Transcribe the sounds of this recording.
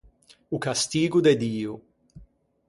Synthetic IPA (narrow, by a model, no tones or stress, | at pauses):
ukast̪iːɡʊd̪ɛd̪iːʊ